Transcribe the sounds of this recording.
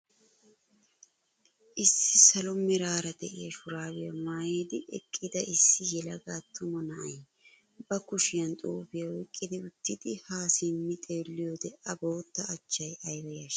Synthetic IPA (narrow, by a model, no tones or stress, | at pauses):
ʔɪsːɪsɐlɔmɪɾaːɾɐd̪ɛʔɪjɐʃʊɾaːwɪjɐmaːjeːd̪ɪʔɛ̰kʼːɪd̪ɐɪsːɪjɛlɐɡaːt̪ːʊmɔnɐʔɐj | bɐkʊʃɪjɐnt̪ʼuːfɪjɐwɔjkʼːɪd̪ɪʊt̪ːɪd̪ɪhaːsɪmːɪt̪ʼe̞ːlːɪjod̪ɛʔɐbo̞ːt̪ːɐːt͡ʃːɐjɐjwɛjɐʃ